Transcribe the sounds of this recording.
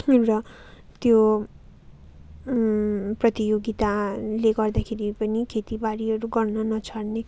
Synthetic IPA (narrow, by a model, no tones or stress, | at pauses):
rʌ | t̪jo | prʌt̪ijoɡit̪aleɡʌrd̪akʰeɾipʌnikʰet̪ibaɾiɦʌɾuɡʌrnʌnʌt͡sʰʌrne